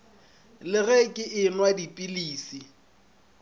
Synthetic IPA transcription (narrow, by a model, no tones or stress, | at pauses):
lɪɣɛkʼɪʔɪnwadipʼiliːsi